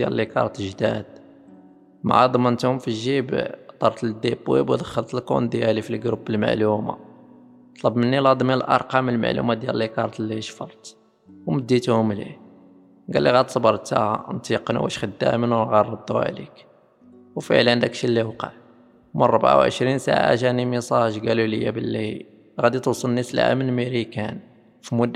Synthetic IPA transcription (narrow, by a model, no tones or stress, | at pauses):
d̪jæ̰llikɑ̰ɾˤt̪ʒd̪æd̪̚ | maʕɑd̪ˤmənt̪hʊmfiʒibt̪ˤɑɾˤt̪əld̪ibwḭbwd̪əxːəlt̪əlkṵnd̪jælifilɡɾubːəlma̰ʕluma̰ | t̪ˤlɑbmənːilɑd̪ˤmiləlʔɑ̰ɾˤqɑməlma̰ʕlṵmad̪jæləlːikɑɾˤɑt̪liʃfɑlˤt̪ | wməd̪ːit̪hʊmlḭ | ɡælːiɣæd̪sˤbɑɾˤt̪æ̰hnt̪iqnṵwæ̰ʃxəd̪ːæ̰mənwnɣɑrˤːɑd̪ˤːṵʕlḭk | wfḭʕlənd̪ækʃilːiwqɑ̰ʕ | məːˤɑbʕa̰wʕə̰ʃɾinsa̰ʕa̰ʒænimisˤɑʒɡæluləjːæbəlːi | ɣæd̪it̪usˤəlnːislʕa̰mənmiɾikæn | fimʊd̪ː